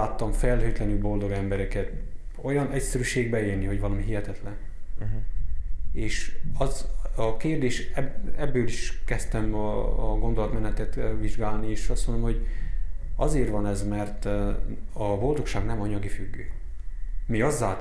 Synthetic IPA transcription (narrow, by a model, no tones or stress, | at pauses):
aːt̪ːɒɱfɛlɦøːt̪lɛnylbo̞ld̪o̞ɡɛmbɛɾɛkɛt̪ | o̞jɒnɛcsɛɾyʃeːɡ̚bɛeːrniho̞ɟvɒlɒmiɦiɦɛt̪ɛt̪lɛn | eːʃɒzɒkeːrd̪eːʃɛɛbːøːliʃkɛst̪ɛmɒ̰ːɡo̞nd̪o̞lɒt̪mɛnɛt̪ɛt̪viʒɡaːlnieːʃɒst̪mond̪omho̞ɟ | ɒzeːrʋɒnɛzmɛrt̪ | ɒbo̞ld̪o̞kʃaːɡnɛmɒɲɒɡifyɡːøː | miɒzːaːt̪